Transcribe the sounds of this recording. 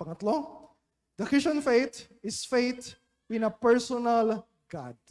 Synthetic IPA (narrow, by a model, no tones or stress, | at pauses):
pɐŋɐt̪lo | d̪ɐkɪsõnfejt̪ | ɪsfejt̪ | ɪ̃nɐpɛɹsɔnɐl | ɡ̥a̰d̪̚